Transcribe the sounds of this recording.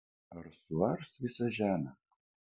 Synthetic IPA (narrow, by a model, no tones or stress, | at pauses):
ɐrsuɐrsʋʲɪsɐʒʲæːnɐ